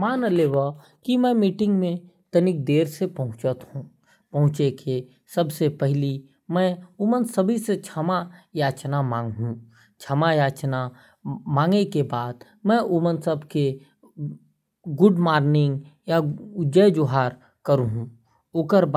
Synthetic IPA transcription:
maːnəleːwa | kimɛ̃miːʈɪ̃ŋɡmẽt̪ənɪk̚d̪eːɾsepɐɦʊ̃t͡ʃət̪hũː | pɐɦʊ̃t͡ʃekʰe | səbsepɛɦli | mɛ̃ʊmənsəbʱiset͡ʃʰamajaːt͡ʃnamãːŋɡɦũ | t͡ʃʰamajaːt͡ʃna | mãːŋɡekebaːd̪ | mɛ̃ʔʊmənsəbke | ɡʊɖmaːɾnɪ̃ŋɡjaʊd͡ʒəd͡ʒoɦaːɾ | kəɾũɦũ | okəɾb

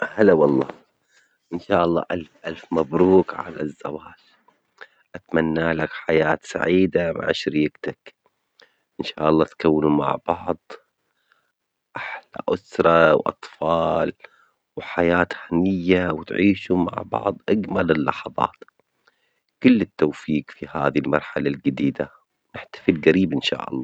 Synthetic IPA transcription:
halawɑlˤːɑ̰ː | ʔɪnʃaːʔɑlːɑ̰ːʔalfʔalfmabɾuːkʕa̰la̰zːawaːʃ | ʔat̪manːaːlakħajaːt̪sa̰ʕiːd̪ama̰ʕʃɾiːɡt̪ak | ʔɪnʃa̰ːʔɑlˤːɑːt̪kawːnuma̰ʕb̥ɑʕðˤ | ʔaħla̰ʔʊsɾˤɑwʔɑ̰t̪ˤfɑːl | wħajaːt̪hanɪjːawɪt̪ʕiːʃuma̰ʕbɑ̰ʕðˤʔaɡmalɪlːɑħɑðˤɑ̰ːt̪ | kʊlːɪt̪ːowfiːkfiha̰ːðilmɑɾˤħalald͡ʒɪd̪iːd̪a | nɪħt̪ḁfɪlɡaɾiːbʔɪnʃa̰ːʔɑ̰lˤːɑː

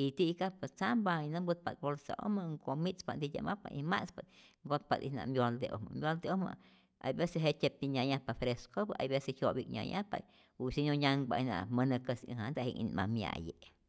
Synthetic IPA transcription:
it̪ikapat͡sambajnambɨt̪̚pat̪̚bolsa̰ʔo̰maŋɡomit͡spand̪ijʲa̰mapa̰imaspat̪ | ŋɡot̪̚pad̪ḭna̰mbjold̪eʔo̰ma̰mbjold̪eoma̰ | a̰jbeseɦet͡ʃʲep̚t̪iɲajapafɾeskobaʔa̰jbesehjobikɲʲa̰jʔapa̰ | usiɲoɲaŋbajna̰mənəkəsəhand̪ahiŋḭnmamja̰je

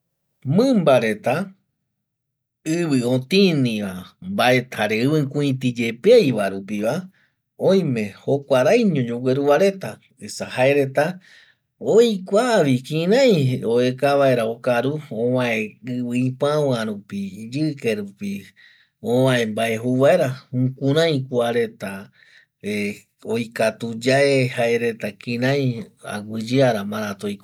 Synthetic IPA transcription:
mɨ̃mbaɾe̞t̪a | ɨβɨõt̪ĩnĩʋambaet̪haɾeɨβɨ̃kũĩt̪id͡ʒe̞pejβaɾupiβa | õj̃mẽ̞ho̞kʷaɾajɲõd͡ʒoɡʷeɾuβaɾe̞t̪a | esahaeɾe̞t̪a | ojkʷaβikĩɾãj̃oekaβaeɾaokaɾuõwãẽɨβɨĩpãwãɾupid͡ʒɨkeɾupi | õwãẽmbaeɦuβae̞ɾaũkũɾãj̃kuaɾe̞t̪a | e | ojkat̪ud͡ʒaehaeɾe̞t̪akĩɾãj̃a̰ɡʷɨd͡ʒɨaɾamãɾat̪ojk

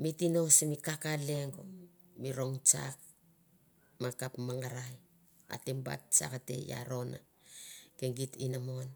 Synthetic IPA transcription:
mitino̞semikakale̞ŋɡo | miɾo̞ŋt͡ʃa̰k̚ | makapmaŋɡaɾaj | a̰temba̰t̚t͡ʃa̰kate̞̰ja̰ɾo̞na̰ | keŋɡitinamon

